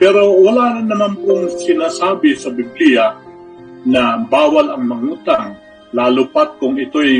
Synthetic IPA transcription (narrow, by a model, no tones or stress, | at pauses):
pɛɾo̞wɐlaːnɐnːɐmanpʊŋsɪnaːsaːbɪsɐbɪblija | nɐbaːwɐlɐŋmɐŋuːt̪aŋ | laːlʊpat̪̚kʊŋɪt̪oj